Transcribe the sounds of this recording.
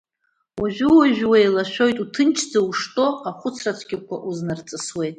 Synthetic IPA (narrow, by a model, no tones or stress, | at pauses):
waʒʷᶣuwaʒᶣwejlaʃᶣo̞jtʼutʰɨnt͡ʃʰd͡zauʂtʼo̞aχʷʊt͡sʰrat͡sʷʰɡʲɪkʷʰaʔuznart͡sʼɨswejtʼ